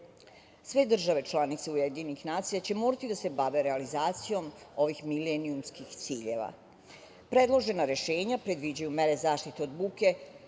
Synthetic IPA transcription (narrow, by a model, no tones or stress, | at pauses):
sʋe̞d̪r̩ʒaʋe̞t͡ʃlˠanit̪se̞ujed̪inixnaːt̪sijat͡ɕe̞moːɾat̪id̪ase̞baʋe̞ɾealizaːt̪sijo̞mo̞ʋixmileniumskixt̪siːʎḛʋa̰ | pɾe̞d̪lo̞ʒe̞naɾe̞ʃe̞ːɲapɾe̞d̪ʋid͡ʑajume̞ɾe̞zaːʃt̪it̪eod̪buːke̞